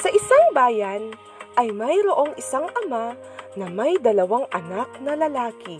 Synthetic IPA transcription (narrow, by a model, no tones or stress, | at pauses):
sɐʔɪsaŋbaːjɐn | ʔɐjmɐjɾoʔo̞ŋʔɪsaŋʔɐma | nɐmɐjd̪ɐlɐwaŋʔɐnak̚nɐlɐlaːkɪ